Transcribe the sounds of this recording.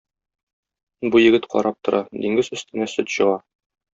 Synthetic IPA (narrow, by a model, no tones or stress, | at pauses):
bujɘ̆ɡɘt̪qɒ̰ɾʔɑp̚t̪ŏɾʔɑd̪iŋɡɘzɵ̆st̪ɘ̆næsɵt̪ɕɤ̆ʁɑ